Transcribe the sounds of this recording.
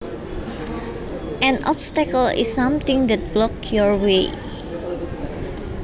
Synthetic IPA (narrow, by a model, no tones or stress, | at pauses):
ʔɛ̃nʔɔ̰pst̪ɛkəlḭsːãmt̪ĩŋdɛt̪̚blɔkjɔɹwe